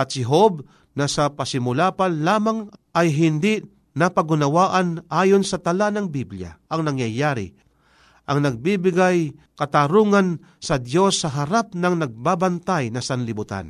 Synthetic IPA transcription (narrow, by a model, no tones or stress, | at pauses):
ʔɐt̪̚sɪɦob | nɐsɐpɐsɪmʊlaːpalaːmaŋʔɐjɦɪnd̪i | nɐpɐɡʊnɐwaːʔɐnʔaːjonsɐt̪ɐlanɐŋbiblja̰ʔɐŋnɐŋjajaːɾɪ̰ | ʔɐŋnɐɡ̚bibɪɡaj | kɐt̪aɾuːŋɐn | sɐd̪jo̞sːɐɦɐɾap̚nɐŋnɐɡ̚baːbɐnt̪ajnɐsɐnlɪbʊt̪a̰n